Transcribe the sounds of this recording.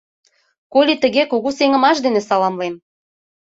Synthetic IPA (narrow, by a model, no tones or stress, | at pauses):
kolʲit̪ə̆ɣekoɣuseŋə̆mɑʃd̪enesɑlɑmlem